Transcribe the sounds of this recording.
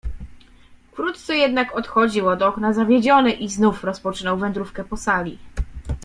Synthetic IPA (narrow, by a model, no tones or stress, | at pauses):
kɾut̪t̪sɛjɛd̪nakɔt̪xɔd͡ʑiwɔd̪ɔknazavʲjed͡ʑɔnɘʔiznufɾɔspɔt͡ʂɘnɔwvɛnd̪ɾufkɛpɔsalʲi